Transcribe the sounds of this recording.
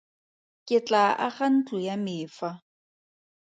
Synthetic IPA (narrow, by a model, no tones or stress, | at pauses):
kʼɪt͡ɬʼaʔaχan̩t͡ɬʼʊjamɪːfa